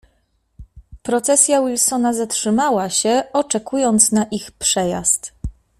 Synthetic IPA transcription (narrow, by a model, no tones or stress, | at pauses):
pɾɔt̪sɛsʲjawilsɔnazatʂɘmawaɕɛɔt͡ʂɛkujɔnt̪snaʔixpʂɛja̰st̪